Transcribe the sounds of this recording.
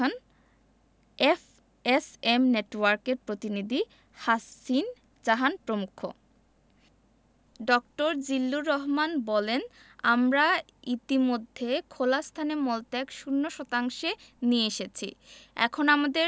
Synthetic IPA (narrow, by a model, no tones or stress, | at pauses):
an | ef | esemneʈwaɾkeɾpɾot̪inid̪ʱi | hasin | d͡ʑaɦanpɾomukʰːo̰ | ɖɔkʈoɾd͡ʑilːuɾɔɦmanbɔlen | amɾa | it̪imod̪ʱːekʰolast̪ʰanemɔlt̪ɛkʃunːoʃɔt̪aŋʃenieeʃet͡ɕʰḭɛ̰kʰonamad̪eɾ